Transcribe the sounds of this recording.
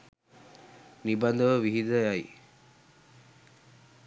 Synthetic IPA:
nibɐnd̪əʋəʋiɦid̪əjaj

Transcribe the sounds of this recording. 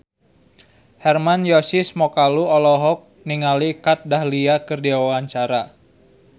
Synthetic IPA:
hɛrmanjɔsismɔkaluɔlɔɦɔk̚ | niŋalikat̪̚dahliakɨrdiwawaɲt͡ʃaɾa

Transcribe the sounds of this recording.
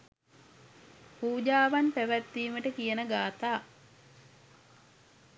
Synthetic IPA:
puːd͡ʒaːʋanpæʋæt̪ːiːməʈəkijənəɡaːt̪aː

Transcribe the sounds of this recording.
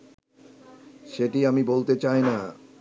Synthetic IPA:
ʃeʈiamibolt̪et͡ɕajna

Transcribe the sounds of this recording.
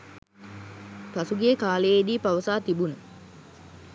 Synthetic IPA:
p̪asuɡijekaːləjed̪iːpaʋəsaːt̪ibunə

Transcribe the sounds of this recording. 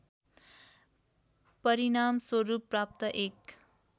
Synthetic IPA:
pʌɾinamswʌɾupːrap̚t̪ʌʔek

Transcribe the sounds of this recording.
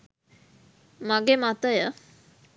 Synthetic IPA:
maɡemat̪əjə

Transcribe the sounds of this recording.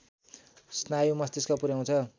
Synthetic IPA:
snajumʌst̪eskapuɾjaw̃t͡sʰʌ

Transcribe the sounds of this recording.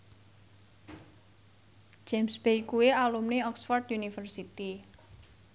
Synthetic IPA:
d͡ʒemsb̥ejkuealumneɔksfɔrt̪junifərsit̪i

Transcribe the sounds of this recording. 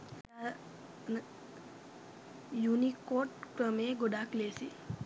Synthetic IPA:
a | junikoʈkɾəmeɡoɖaklesi

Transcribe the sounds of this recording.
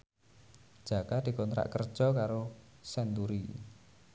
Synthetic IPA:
ʒ̥a̤kad̪̥i̤kɔnt̪ɾa̰ʔkərd̥ʒ̥ɔkaɾosɛnt̪uɾi

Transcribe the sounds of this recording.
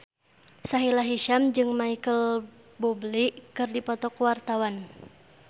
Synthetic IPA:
saɦilaɦiʃamd͡ʒɨŋmaikəl | bubliʔkɨrdipɔt̪ɔkwart̪awan

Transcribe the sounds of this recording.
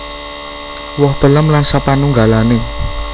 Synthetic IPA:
wɔhb̥ə̤ləmlansapanuŋɡalane

